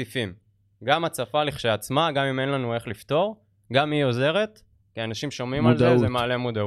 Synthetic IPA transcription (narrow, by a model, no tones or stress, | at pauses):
ifim | ɡamat͡safaliχʃeat͡smaɡamime̞nlanue̞χlift̪o̞ʁ | ɡamio̞ze̞ʁe̞t̪ | kianaʃimʃo̞mimalzezemaːle̞mod̪a